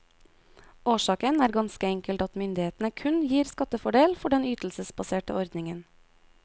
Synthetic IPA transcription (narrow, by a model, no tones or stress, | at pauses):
ʔoːʃɑːkənæːɾɡɑnskəɛŋkəlt̪ɑt̪mʏnd̪ɪheːt̪n̩əkʰʉnjiːɾskɑt̪əfɔɖeːlfɔɖɛnyːt̪l̩səsbɑseːʈə̰ɔɾd̪nɪŋən